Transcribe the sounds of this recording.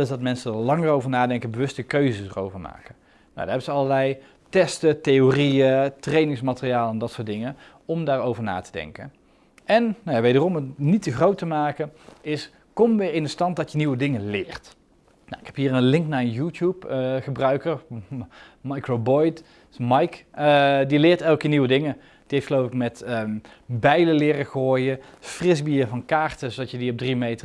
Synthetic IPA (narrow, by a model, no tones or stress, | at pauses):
ɛlˠɪzdɑtmɛnsədlɑŋərowvəɹnaːdɛŋkənbəʋɵstəkøɥzəsərowvəɹma̰ːkə | na̰wdaːɹɦɛbənzəɑləlɛj | tɛstətejoriətrejnɪŋsmatərijaːləɛndɑtsʊːɹtdɪŋən | ɔmdaːɹowvəɹna̰ːtədɛ̰ŋkə̰n | ʔɛnnawjaʋejdərɔmətnitəxrowtəmaːkənɪs | kɔmʋɪːɹɪndəstɑnt̚dɑtjəniwədɪŋənlɪːrt | na̰ɪkɦɛpɦiːɹənlɪŋknaːənjuːtjupχəbrœɥkər | mɑjkrobɔjt | mɑjkdilɪːɹtɛlˠkəniwədɪŋə | d̥iejftχəlowfɪkmɛtə | bɛjləlɪːrəχəɦoːjəfrɪzbiːvɑnkaːɹtəzodɑtjədiɔb̚drimejtə